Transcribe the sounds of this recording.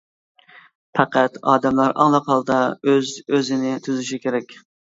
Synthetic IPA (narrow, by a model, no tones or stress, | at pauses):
pʰæqʰæt̪ɑ̰ːd̪ɛmlɑɾʔɑ̰ŋlˠɑqhɑlˠd̪ɑøzøzɪnɪt̪ʰyzyʃikʲeɾɛkʲ